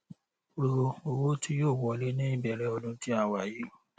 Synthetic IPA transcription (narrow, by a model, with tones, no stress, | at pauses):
o˨ɾo˧o˧wo˦tʰi˦joː˦˨wɔ˧˨le˦nĩ˦i˦˨bɛ˨ɾɛ˧˦ɔ˧dũ˧˦tĩ˦a˧wa˨ji˨˦